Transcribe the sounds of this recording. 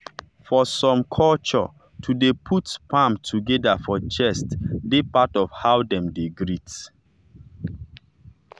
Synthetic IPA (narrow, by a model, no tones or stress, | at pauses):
fɔsɔ̃mkʰɔlt͡ʃɔ̰ | tʰudepʰutpʰãmtʰuɡɛdafɔt͡ʃɛstdepatɔfhawdɛ̃mdeɡɹit